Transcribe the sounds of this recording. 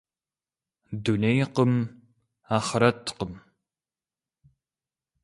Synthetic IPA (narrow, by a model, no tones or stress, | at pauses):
dunejqəm | aːχəɾɐtʰqəm